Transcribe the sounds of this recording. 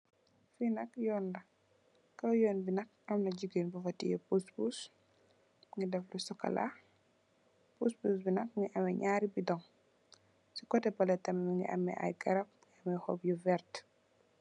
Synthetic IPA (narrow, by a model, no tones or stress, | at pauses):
finɐkjɔːnlɐ | kːɐwjɔːnbinɐk̚ | ɐmnɐɟuɡenbɐfɐtijɛpuspus | ŋidɛflusɔkɐ̰la̰ | puspuːsbinɐk̚ŋiʔɐmɛɲaːɾibidɔŋ | sikɔtɛbɐlɛtɐmɛmiŋɡḭʔɐ̰mːɛ̰ʔɐ̰jɡɐɾɐp̚ŋɐmɛhɔpjuvɛɾt